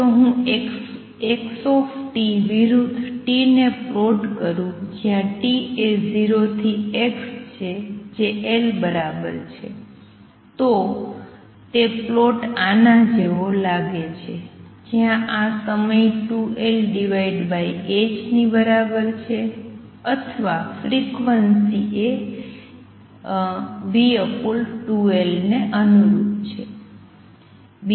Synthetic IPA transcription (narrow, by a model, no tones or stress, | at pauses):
t̪oɦũeks | eksɔfʈiʋiɾud̪ʱʈineploʈkəɾũd͡ʒjãʈieziɾot̪ʰiekst͡ʃʰed͡ʒeʔelbəɾabə̰ɾt͡ʃʰe | t̪o | t̪eploʈanad͡ʒeʋolaɡet͡ʃʰed͡ʒijãʔasəməjʈuʔelɖiʋaiɖbaiet͡ʃnibəɾabəɾt͡ʃʰe | ət̪ʰəʋafɾikʋənsie | biəpolʈuelneʔənuɾut̪t͡ʃʰe